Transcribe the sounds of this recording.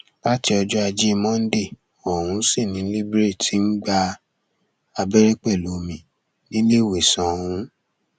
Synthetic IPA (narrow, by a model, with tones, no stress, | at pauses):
la˦ti˧˦ɔ˧d͡ʒɔ˦a˧d͡ʒe˦˧mɔ̃˦n̩˦de˦˨ | ɔ˨ɾũ˧˦si˦˨nĩ˨˦li˦bɾe˦˨ti˨˦n̩˦ɡ͡ba˦˧ | a˧be˦ɾe˦k͡pɛ˦˨lo˨˦mĩ˨ | nĩ˦le˦˨we˨sã˨hũ˧˦